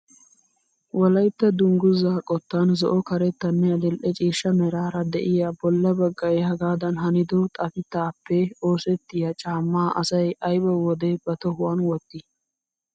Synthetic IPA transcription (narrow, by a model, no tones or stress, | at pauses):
wɔlɐjt̪ːɐd̪ʊŋɡʊzaːkʼɔt̪ːanzɔʔɔkɐɾɛt̪ːɐnːɛɐd̪ɪlʔɛt͡ʃʼiːʃːɐmɛɾaːɾɐd̪ɛʔɪjabɔlːɐbɐɡːɐjhɐɡaːd̪ɐnɦɐnɪd̪ɔt̪ʼɐfɪt̪ːaːpːɛoːsɛt̪ːɪjɐt͡ʃʼaːmːaːʔɐsɐjʔɐjbɐwɔd̪ɛbɐt̪ɔhʊwɐnwɔt̪ːɪ